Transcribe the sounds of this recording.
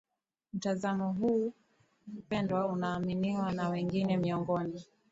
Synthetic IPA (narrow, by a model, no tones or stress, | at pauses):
m̩tazamɔɦuː | pɛndwaunaːminiwanawɛŋɡinɛmiɔŋɡɔni